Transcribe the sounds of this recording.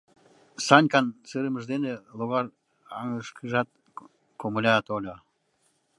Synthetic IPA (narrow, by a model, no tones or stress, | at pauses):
sɑnʲkɑnsɯɾəməʒd̪enelˠuɣɑr | ɑ̰ŋəʃkʰʒɑt̪̚ | komulʲɑt̪olʲo